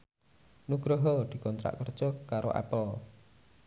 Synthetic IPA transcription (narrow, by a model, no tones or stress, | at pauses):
nuɡ̥ɾɔɦɔd̪̥i̤kɔnt̪ɾa̰ʔkərd̥ʒ̥ɔ̤kaɾo̰ʔɛ̰pəl